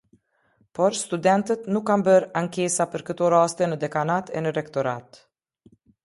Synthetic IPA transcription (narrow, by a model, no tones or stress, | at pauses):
pɔɾst̪ud̪ɛnt̪ət̪nukːanbəɾaŋkesapəɾkət̪oɾaːst̪ɛnəd̪ɛkanat̪ʰɛ̰nəɾɛkt̪ɔɾat̪